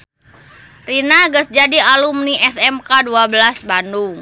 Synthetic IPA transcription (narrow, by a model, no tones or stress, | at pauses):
rinaɡəsd͡ʒadialumniʔɛsɛmkaduabəlasbanduŋ